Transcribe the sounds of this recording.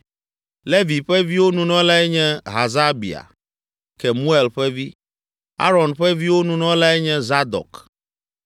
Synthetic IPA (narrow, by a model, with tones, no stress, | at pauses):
le˦vi˨ɸɛ˦vi˦wo˦nũ˨nɔ̃˦la˦ɛ˦ɲɛ̃˦ɦa˨za˦bḭ˨a̰˨ | kɛ˨mũ˦e˨lɸɛ˦vi˦ | a̰˦ɾɔ˨nɸɛ˦vi˦wo˦nũ˨nɔ̃˦la˦ɛ˦ɲɛ̃˦za˦d̪ɔ̰˨k